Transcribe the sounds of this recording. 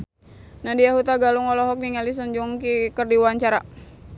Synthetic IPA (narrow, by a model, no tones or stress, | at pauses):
nadiaɦut̪aɡaluŋɔlɔɦɔk̚niŋalis̬ɔɲd͡ʒuŋkikərdiwaɲt͡ʃaɾa